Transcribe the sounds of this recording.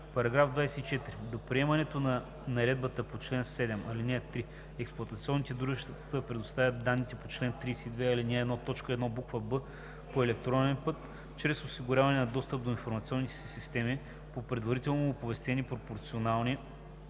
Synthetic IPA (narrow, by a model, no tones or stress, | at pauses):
pɐɾɐɡɾavd̪vajsɛit͡ʃɛt̪ɾid̪opɾiɛmɐnɛt̪onɐ | nɐɾɛd̪̚bət̪əpot͡ʃlɛnsɛd̪ɛmɐlinɛt̪ɾi | ɛksplˠɐt̪ɐt̪siɔnːit̪ɛd̪ɾuʒɛʃt̪t̪t̪əpɾɛd̪ʊst̪avʲjɐt̪̚d̪anːit̪ɛpot͡ʃlɛnt̪ɾijsɛid̪vɛɐlinɛːd̪nɔt̪ɔt͡ʃkəɛd̪nɔbukvəbɤ | poɛlɛk̚t̪ɾɔnɛnpɤt̪ | t͡ʃɾɛsosiɡʊɾʲavɐnɛnɐd̪ɔst̪əp̚d̪oinfoɾmɐt̪siɔnːit̪ɛ̥sɛ̥sist̪ɛmi | popɾɛd̪vɐɾit̪ɛlˠnoopovɛst̪ɛnipɾopoɾt̪sionalˠni